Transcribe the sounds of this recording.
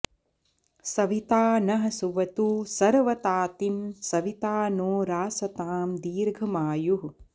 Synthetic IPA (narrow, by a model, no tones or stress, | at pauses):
sɐʋit̪aːnɐɦɐsuʋɐt̪uːsɐɾʋɐt̪aːt̪imsɐʋit̪aːnoːɾaːsɐt̪aːmd̪iːɾɡʱɐmaːjuɦ